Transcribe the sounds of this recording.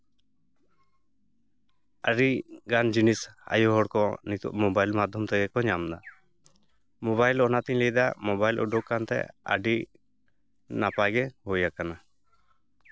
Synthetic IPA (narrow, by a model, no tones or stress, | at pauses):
aɾiɡand͡ʒinisa̰jɔɦɔɽkɔnit̪ṵʔmɔbajlmad̪ʱjɔmt̪ɛɡɛkɔɲamd̪a | mɔβajlɔnat̪iɲlɛjd̪a̰mɔbajlʔɔ̰ɖɔkːant̪ɛ̰a̰ɖi | napajɡɛhojakana